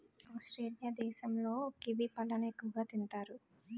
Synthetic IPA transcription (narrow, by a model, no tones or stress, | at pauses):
aːsʈɾeːlijaːd̪ɛːʃɐmlo̞ːkiʋipɐlːɐnɐekːuɡaːt̪int̪aːɾu